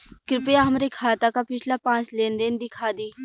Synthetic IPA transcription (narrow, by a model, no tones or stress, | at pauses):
kɪɾɪpjaːɦəmɾeːkʰaːt̪aːkaːpɪt͡ʃʰlaːpãːt͡ʃlẽːnd̪end̪ɪkʰaːd̪iː